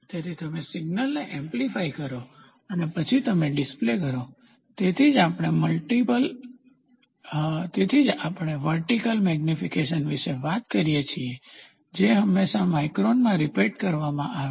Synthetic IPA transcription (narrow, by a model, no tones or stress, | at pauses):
t̪et̪ʰit̪əmesɪɡnəlneʔɛ̃mplifaikəɾo | ənepət͡ʃʰit̪əmeɖɪsplekəɾo | t̪et̪ʰid͡ʒapɽ̃eməlʈipəl | t̪et̪ʰid͡ʒapəɽ̃eʋəɾʈikəlmɛɡnifikeʃənʋiʃeʋat̪kəɾijet͡ʃʰie | d͡ʒeɦəmːeʃãmaikɾonmãɾipeʈkəɾʋamãʔaʋe